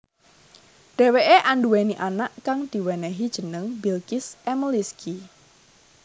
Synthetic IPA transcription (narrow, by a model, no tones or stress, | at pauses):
ɖ̥ɛweʔeʔanɖuweniʔanaʔkaŋd̪̥i̤wɛnɛɦid̥ʒ̥ənəŋbilkɪsʔɛməliski